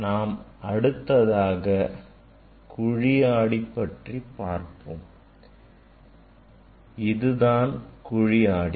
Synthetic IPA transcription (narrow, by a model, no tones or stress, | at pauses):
naːmɐɽɯt̪ːɐðaːɣɐ | kʊɻɪjaːɽipːɐʈripːaːɾpɯm | ɪðɯðaːnkʊɻɪjaːɽi